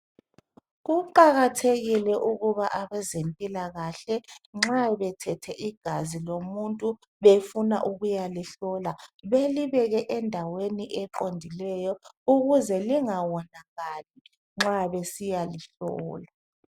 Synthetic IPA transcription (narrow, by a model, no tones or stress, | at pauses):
ɣuǃaɣatʰeɣilɛʔuɣuβaʔaβɛzempʼilaɣaɬɛŋ͡ǁaβɛtʰɛtʰɛʔiɡ̥ʱazilomuntʼu | βefuna̰ʔuɣujaliɬɔlaβeliβɛɣɛʔɛndʱaweniʔɛǃondʱilɛjɔuɣuzɛliŋawɔnaɣali | ŋ͡ǁaβesijaliɬɔːla